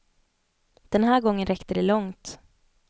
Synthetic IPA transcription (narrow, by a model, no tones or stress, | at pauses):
d̪̥ɛnɦæːɾɡɔŋːənɾɛkt̪əd̪ɛlɔŋt̪